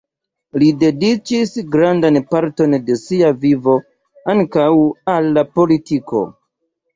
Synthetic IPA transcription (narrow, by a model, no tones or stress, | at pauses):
lide̞dit͡ʃisɡɾandanpaɾto̞nde̞siavivo̞ | aŋkawalːapo̞litiko̞̰